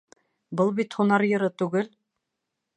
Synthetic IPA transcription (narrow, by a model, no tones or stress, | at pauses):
bɤlˠbit̪hunɑɾjɤ̆ɾɤt̪ʉɡɘl